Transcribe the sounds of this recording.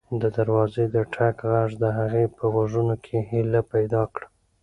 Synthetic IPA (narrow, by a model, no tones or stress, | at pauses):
d̪əd̪aɾwɑzed̪əʈʰakɣaʐd̪əɦaɣepʰəwaʐunokʰeɦilapajd̪ɑkɽa